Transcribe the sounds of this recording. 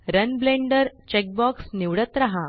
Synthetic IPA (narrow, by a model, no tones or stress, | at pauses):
ɾənbleɳɖəɾt͡ɕek̚bɔksniʋɽət̪ɾaɦa